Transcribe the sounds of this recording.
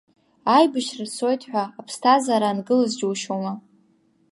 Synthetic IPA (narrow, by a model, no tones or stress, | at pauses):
ajbɨʃrɨso̞jtʰħʷᶣaːpʰstʰazaɾanɡɨlɨzd͡ʒuwʃoma